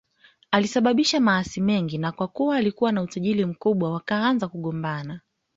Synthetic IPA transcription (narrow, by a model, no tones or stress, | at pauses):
alisaɓaɓiʃamaasimɛŋɡinakwakuwaːlikuwanautaʄilim̩kuɓwawakaanzakuɠɔmbana